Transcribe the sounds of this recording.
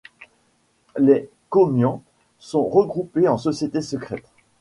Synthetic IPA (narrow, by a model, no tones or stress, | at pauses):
lɛ | kɔmjɑ̃ | sɔ̃ʁəɡʁupeɑ̃sɔsjet̪esəkχɛt̪